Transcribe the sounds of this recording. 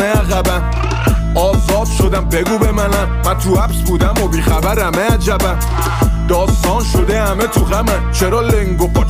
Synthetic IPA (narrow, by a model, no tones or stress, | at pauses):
eæɣæbæn | ɒːzɒːd̪̥ʃo̞d̪æmbeɡuːbemænæmmænt̪ʰuæpsbud̪æmobiːxæbæɾhæmeæd͡ʒæbæn | d̪ɒːst̪ɒːnʃod̪ehæmet̪ʰuɣæmænt͡ʃʰeɾɒːleŋɡop